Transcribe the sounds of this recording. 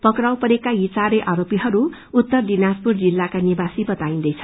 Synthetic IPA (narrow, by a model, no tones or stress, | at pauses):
pʌkɾawpʌɾekajit͡saɾeʔaɾopiɦʌɾuː | t̪ːʌrdinaspurd͡zilːakanibasibʌt̪aĩnd̪ʌjt͡sʰʌ